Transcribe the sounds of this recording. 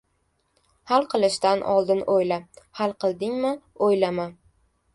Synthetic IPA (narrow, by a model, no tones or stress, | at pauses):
halˠqʰɨlˠɪʃt̪anʔɒ̰lˠd̪ɪnojlahalˠqʰɨlˠd̪ɪŋmɪojlaman